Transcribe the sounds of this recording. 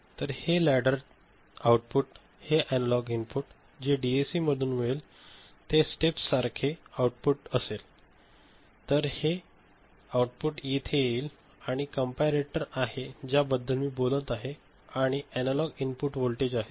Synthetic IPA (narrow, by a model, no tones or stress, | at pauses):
t̪əɾhelæɽəɾ | awʈ̚puʈ | heʔænəlɔɡinpuʈ | d͡ʑeɖiesiːməd̪ʱuːnʋɭel | t̪esʈepsaɾkʰeawʈ̚puʈəsel | t̪əɾhe | awuʈpuʈjit̪ʰejeiːl | aɽ̃ikəmpaɾeʈəɾaɦed͡ʑjabəd̪ʱːəlmiːbolət̪aɦe | aɽ̃iænəlɔɡinpuʈʋolʈed͡ʑaɦe